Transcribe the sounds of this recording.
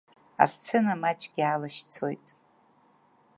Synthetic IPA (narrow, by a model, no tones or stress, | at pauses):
a̰st͡sʰɨnamat͡ʃʼɡʲiaːlaʃt͡sʰo̞̰jtʼ